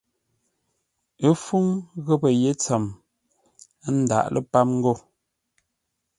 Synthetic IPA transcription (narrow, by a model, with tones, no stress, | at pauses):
ə˦fu˦ŋɣə˦pə˨je˦t͡sə˨m˦ | n̩˦da̰˨ʔlʔə̰˦pa˦mŋ̩˦ɡo˦˨